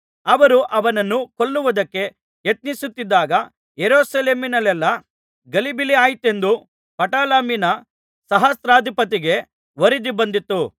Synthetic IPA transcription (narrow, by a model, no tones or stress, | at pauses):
ɐʋɐɾuʔɐʋɐnɐnːukoɭːuʋud̪ɐkːe̞ | jet̪nisut̪ːid̪ːaːɡɐ | jeɾuːsɐleːminɐlɛlːɐ | ɡɐlibiliaːjit̪e̞nd̪u | pɐʈaːlaːminɐ | sɐɦɐst̪ɾaːd̪ʱipɐt̪̬iɡe̞ | ʋɐɾid̪ibɐnd̪it̪ːu